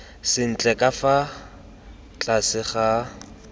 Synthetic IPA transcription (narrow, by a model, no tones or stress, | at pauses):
sɪn̩t͡ɬʼɛkʼafa | t͡ɬʼasɪχa